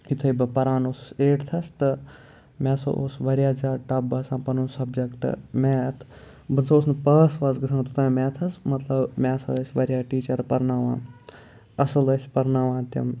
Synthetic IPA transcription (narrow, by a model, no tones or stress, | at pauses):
it̪ʰɐibɨpɐɾaːnoseːʈt̪ʰɐst̪ɨ | mʲɛːso̰ʔo̰sʋɐɾjaːd͡zaːʈɐb̚ɐsãːpɐnoːsɐbd͡ʒɐkʈɨ̰mɛt̪ʰ | bɨnsɐoːsnɨpɐːsʋɐzɡɨsʰãːt̪ut̪ɐ̃mɛːt̪ʰɐsmɐt̪lɐbmɛːsɐsʲʋɐɾʲjaːʈiːt͡ʃɐɾpɐɾnaːʋã̰ː | ɐsɐlɐsʲpɐɾnaːʋãːt̪ɐ̰m